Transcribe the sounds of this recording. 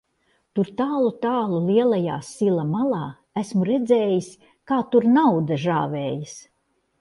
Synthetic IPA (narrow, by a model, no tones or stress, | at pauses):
t̪uɾt̪aːlˠut̪aːlˠulˠiɛlˠaja̰ːsilˠamalˠaː | æsmuɾɛd̪zeːjis | kaːt̪uɾnawd̪ɐʒaːveːjis